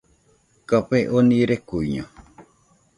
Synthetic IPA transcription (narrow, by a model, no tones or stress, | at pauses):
kapeʔonĩɾekuiɲõ